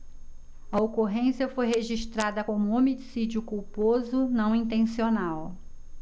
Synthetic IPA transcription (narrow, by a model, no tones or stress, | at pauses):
ɐokoɦẽsiɐfojɦeʒiʃt̪ɾad̪ɐkõmʊomid͡ʒsid͡ʒiʊkuwpozʊnɐ̃w̃ĩnt̪ẽsionaw